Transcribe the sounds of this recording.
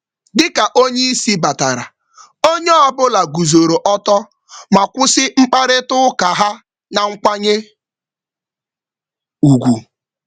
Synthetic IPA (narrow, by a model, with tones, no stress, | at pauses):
dɪ˦ka˨ʔo˦ɲe˦i˦si˦ba˨ta˨ɾa˨ | o˦ɲe˦a˦˨bʊ˦la˨ɡu˨zo˨ɾo˨ʔɔ˦tɔ˦ | ma˨kʷʊ˦sɪ˦ŋ͡m̩˦k͡pa˦ɾɪ˦tʊ˦ka˨ɦa˦ | na˨ŋ̩˦kʷa˦ɲe˦ | u˨ɡʷu˨